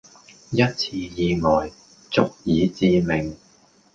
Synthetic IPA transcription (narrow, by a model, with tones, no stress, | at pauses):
jɐ˥t̚t͡sʰiː˧jiː˧ŋɔː˨˩j | t͡sʊ˥k̚jiː˨˧t͡siː˧mɪ˨˩ŋ